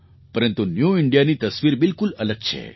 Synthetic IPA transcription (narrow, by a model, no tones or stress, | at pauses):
pəɾənt̪unjuɪɳɖijanit̪əsʋiɾbɪlkulələɡ̚t͡ɕʰḛ